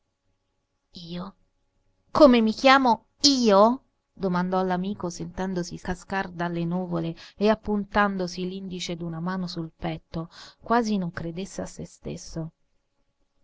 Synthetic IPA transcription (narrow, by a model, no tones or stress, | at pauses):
iːo | komemik̟jaːmo | iːo | d̪omand̪ɔlamiːkosent̪ɛnd̪osikaskard̪alːenuːvoleːapːunt̪and̪osilind̪it͡ʃed̪unamaːnosulpɛt̪ːokwaːzinoŋkɾed̪esːeasːest̪ḛsːo